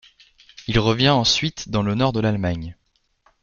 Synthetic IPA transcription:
ilʁəvjɛ̃ɑ̃sɥit̪d̪ɑ̃lənɔʁd̪əlalmaɲ

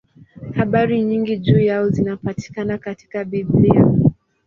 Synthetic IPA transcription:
haɓaɾiɲiŋɡiʄuːjaɔzinapati̥kanakati̥kaɓiblia

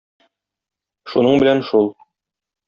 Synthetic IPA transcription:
ʃunɤɴbɘ̆lænʃulˠ

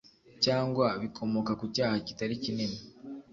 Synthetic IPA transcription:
caːŋɡwaβikʰo̞mo̞kakucaːhaci̥taɾicineni

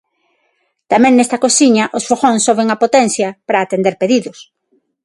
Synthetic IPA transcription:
t̪amɛ̃ŋnɛst̪ɐkosiɲɐʔosfoɣõnsoβeŋɐpot̪ɛnθjɐpɾaːt̪end̪eɾpeðiðʊs

